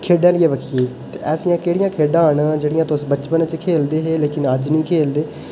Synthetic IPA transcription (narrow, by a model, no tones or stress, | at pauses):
kʰeːɖãːlɪjeːbəkʰijeːt̪ḛːʔɛːsijãːkeːɽɪjãːkʰeːɖãːɳd͡ʒeːɽɪjãːt̪ʊsbət͡ʃpənt͡ʃkʰeːld̪eːɦeːleːkɪnəd͡ʒnĩːkʰeːld̪eː